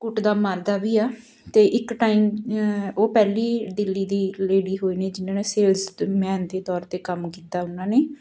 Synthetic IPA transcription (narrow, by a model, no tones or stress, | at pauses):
kʊʈd̪aːmaːɾd̪aːbiːaː | t̪eːʔɪkʈaːiːm | oːpɛːliːɖ̪ɪlːiːd̪iːleːɽiːɦoːiːneːd͡ʒɪnãːneːseːlzmɛːnd̪eːt̪ɔːɾt̪eːkəmkiːt̪ːaːʊnãːneː